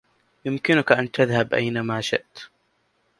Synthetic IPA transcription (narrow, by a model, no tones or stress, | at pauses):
jʊmkɪnʊkaʔant̪aðhabʔa̰jnamaːʃɪ̰ʔt̪